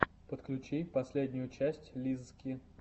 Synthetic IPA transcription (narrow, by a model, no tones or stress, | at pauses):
pət̪klʲʉt͡ɕijpɐsʲlʲedʲnʲʊjʊt͡ɕæsʲtʲlʲizskʲi